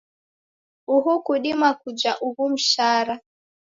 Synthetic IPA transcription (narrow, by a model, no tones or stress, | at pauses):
uɦukuɗimakud͡ʒaʔuhum̩ʃaɾa